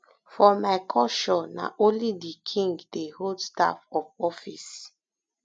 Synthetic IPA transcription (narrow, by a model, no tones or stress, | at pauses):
fɔmaɪkʰɔʃɔna̰ʔõnlidikʰĩŋɡdehodsta̰fɔfɔfis